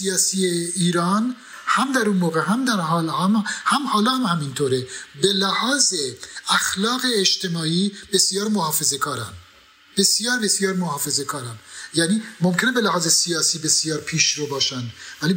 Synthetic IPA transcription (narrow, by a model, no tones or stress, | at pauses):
sijɑːsieiːɾɑːn | hæmd̪æɾunmoːɣe̞ɦæmd̪æɾɦɒːlhæmhæmhɒːlɒːhæmhæmint̪ʰoːɾebe̞læhɒːzeæxlɒːɣe̞ːʃt̪e̞mɒːiːb̥e̞sjɒːɾmohɒːfe̞ze̞kʰɒːɾæn | b̥e̞sjɒːɾbe̞sjɒːɾmohɒːfe̞ze̞kʰɒːɾænjæːniːmomkʰe̞ne̞be̞læhɒːzesijɒːsiːbe̞sjɒːɾpʰiːʃɾobɒːʃænd̪væli